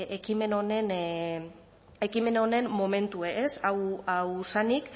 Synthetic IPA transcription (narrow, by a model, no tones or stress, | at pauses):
ekime̞no̞ne̞n | e̞kime̞no̞ne̞mːo̞me̞nt̪ueesawawsanik